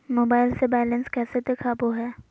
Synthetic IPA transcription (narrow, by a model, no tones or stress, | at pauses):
moːbaːɪlsebɛːlənskɛːsed̪ekʰaboɦɛː